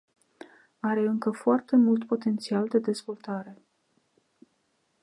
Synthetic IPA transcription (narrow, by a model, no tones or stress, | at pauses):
aɾe̞ɨŋkəfoart̪e̞mult̪po̞t̪e̞nt̪siald̪e̞d̪e̞zvo̞lt̪aɾe̞